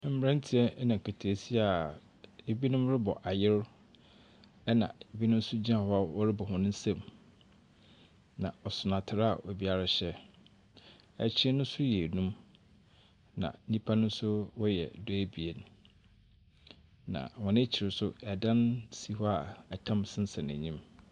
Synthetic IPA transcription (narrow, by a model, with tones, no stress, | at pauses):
m̩˦m˦ɾã˦n˦tʰi˨ɛ˦nã˨kʰa˨tʰe˨si˦a˨ | e˨bi˦nʊ̃˦mɾɪ˦bɔ˨ʔa˨jɪ˦ɾ | ɛ˦nã̰˨e˨bi˦nʊ̃˦m˦sʊ˦d͡ʑi˦ã˦˨hɔ˦a˦˨wɔ˦ɾɪ˦bɔ˨hʊ̃˨nʊ̃˦n˦sã˨m | nã̰˨ɔ˨sʊ˨nã˨tʰɪ˨ɾa˨wɔ˨bi˨˦a˨ɾa˨ɕɛ˦ | ɛ̰˦t͡ɕʰɪ˦ɪ˦nʊ̃˦n˦sʊ˦jɛ˨nũ˦m | nã̰˨˦nĩ˦pʰa˦nʊ̃˦n˦sʊ˦wɔ˦jɛ̰˨dɔ˦æ˦bi˨e˨n | nã̰˨wɔ̃˨n˦e˦t͡ɕʰɪ˨ɾɪ˨sʊ˦ɛ˨dã˦nsi˨hɔ˦a˨ɛ˨tʰã˦msɪ̃˦n˦sɛ̃˨næ̰̃˨ɲĩ˦m